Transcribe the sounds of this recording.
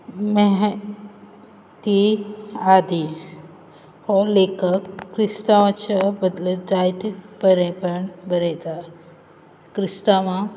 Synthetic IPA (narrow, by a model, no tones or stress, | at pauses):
meɦ | t̪i | ad̪i | holekəkːɾɪst̪aãt͡ʃʰəbəd̪ləd͡ʒajt̪ibəɾẽpəɳbəɾet̪a | kɾɪst̪amã